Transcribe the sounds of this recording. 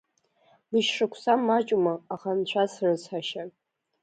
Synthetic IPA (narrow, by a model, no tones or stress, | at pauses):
lɨʃʂɨkʷʰsamːat͡ʃʼumaːχant͡ɕʷʰasrɨsħaʃa